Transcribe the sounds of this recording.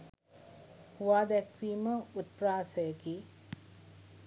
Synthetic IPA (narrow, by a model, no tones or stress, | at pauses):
huʋaːd̪ækʋiːməut̪̚praːsəjəki